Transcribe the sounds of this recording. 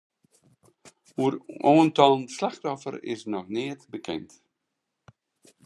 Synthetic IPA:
uəɾoːntɔnslaxtɔfə̰ɾɪ̰snɔxnɪətbəkʰɛ̰nt

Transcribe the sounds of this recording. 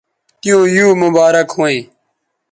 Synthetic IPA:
t̪ɪjõːjuːmʊbaːɾəkɦũːĩː

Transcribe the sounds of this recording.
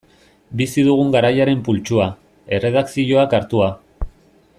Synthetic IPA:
bisiðuɣ̞uŋɡaɾajaɾe̞mpult͡ʃua | e̞re̞ð̞aksiʝoakaɾt̪ua

